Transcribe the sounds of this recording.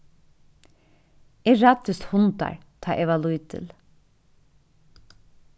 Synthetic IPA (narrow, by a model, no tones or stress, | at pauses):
ɛɹɑːt̪ɪst̪hʊnt̪ɑ̰ɹt̪ʰɑ̰ːʔɛʋɑlʉiːt̪ʰɪ̰l